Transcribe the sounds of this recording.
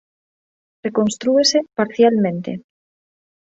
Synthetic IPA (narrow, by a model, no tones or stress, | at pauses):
rekõnst̪ɾuesepaɾθjalmẽnt̪ḛ